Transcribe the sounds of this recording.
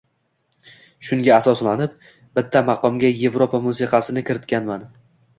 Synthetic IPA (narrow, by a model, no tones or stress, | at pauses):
ʃʊŋɡʲaːsɒslanɪp̚ | bɪt̪ʰːamɑqʰɒmɡʲaje̞vɾopʰamusɪqʰɑsɪnɪkʲʰɪɾɪt̪kʲanman